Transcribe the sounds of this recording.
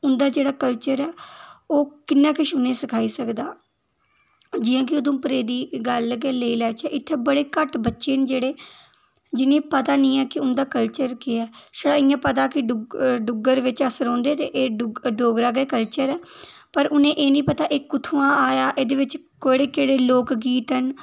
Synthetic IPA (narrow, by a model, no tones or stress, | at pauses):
ʊnd̪aːd͡ʒeːɽaːkəlt͡ʃəɾɛːoːkɪnːãːkɪʃʊnẽːsəkʰaːiːsəkd̪aː | d͡ʒɪjãːk̬ɪoːd̪õːpɾeːd̪iːɡəlːɡeːleːiːlɛːt͡ʃɛːʔɪt̪ʰːeːbəɽeːkəʈbətːʃeːnd͡ʒeːɽeː | d͡ʒɪnẽːpət̪aːnĩːɛːkɪʊnd̪aːkəlt͡ʃəɾkeɛːʃəɽãːɪjãːpət̪̬aːkɪɖɖʊɡəɾʋɪt͡ʃəsəɾɔ̃ːnd̪eːt̪eːʔeːɖɖoːɡɾaːɡeːkəlt͡ʃəɾɛː | pəɾʔʊnẽːʔeːnĩːpət̪aːʔeːkʊt̪ʰuːãːaːjaːʔeːd̪eːʋɪt͡ʃ | koːiɽeːkeːɽeːloːkɡiːt̪ən